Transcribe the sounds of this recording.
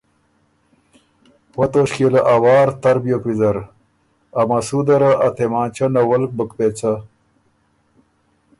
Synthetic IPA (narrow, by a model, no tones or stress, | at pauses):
wɐt̪oːɕkelaʔawaːɾt̪ɐɾbijokwizɐɾ | ɐmɐsud̪ɐɾaʔɐt̪ʰemãːnt͡ɕɐnɐwɐlk̚bəkpet͡sɐ